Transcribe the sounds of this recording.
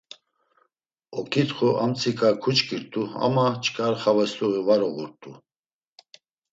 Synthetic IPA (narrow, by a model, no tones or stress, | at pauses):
ɔkʰʼit̪χɔʔamt͡sʰʼikʰʼakʰut͡ʃkʰʼiɾt̪ʼua̰mat͡ʃʰʼkʼaɾχavɛsluɣivaɾɔɣuɾt̪ʼu